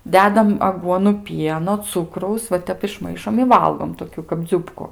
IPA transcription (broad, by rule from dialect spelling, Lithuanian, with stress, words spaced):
ˈdʲæːdɐm ɐˈɡuɔnʊ ˈpʲiɛnoː ˈt͡sʊkrɐʊs ʋɐ ˈtʲɛp ɪʃˈmɐɪʃoːm ɪ ˈʋɐlˠɡoːm toːˈkʲʊ kɐp ˈd͡zʲʊpkʊ